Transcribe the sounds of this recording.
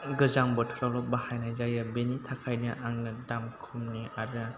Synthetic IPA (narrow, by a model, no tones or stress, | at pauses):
ɡɯzaŋbɯtʰɔɾalɔbahajnazajabenitʰakʰajnɯʔaŋnɯdamkʰumniaɾna